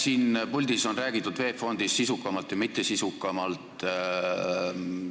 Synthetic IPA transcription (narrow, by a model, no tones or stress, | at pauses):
siːnpulʲd̪̥iso̞nræːɡ̥it̪ːˑud̪̥ve̞ːfo̞nd̪̥isːisukˑːɑmɑlt̪jɑmit̪ːˑesisukːˑɑmɑlt̪ˑ